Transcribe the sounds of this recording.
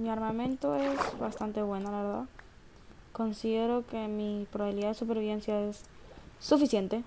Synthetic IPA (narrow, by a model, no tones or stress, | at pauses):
miaɾmamẽnt̪o̞e̞zβast̪ant̪e̞βwe̞nolaβeɾða̰ð | ko̞nsiðe̞ɾo̞ke̞mipɾoβaβiliðaðesupe̞ɾβiβe̞nsjaesː | ufisje̞nt̪e̞